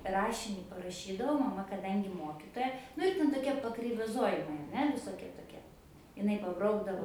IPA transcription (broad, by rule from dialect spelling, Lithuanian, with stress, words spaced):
ˈrɑːʃʲɪnʲiː pɐrɐˈʃʲiːdɐʋɐʊ mɐˈmɐ kɐˈdɐŋʲɡʲɪ ˈmoːkʲɪtoːjɛ ˈnʊ ɪr tʲɛn toːˈkʲiɛ pɐkrʲɛɪʋɐˈzoːjɪmɐɪ ɐr ˈnʲɛ ʋʲɪsoːˈkʲiɛ toːˈkʲiɛ ɪˈnɐɪ pɐˈbrɐʊɡdɐʋoː